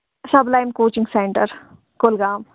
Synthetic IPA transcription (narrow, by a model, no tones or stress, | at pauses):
sɐblaːjmkoːt͡ʃɪ̃ŋɡseːɳʈəɾ | kolɡaːm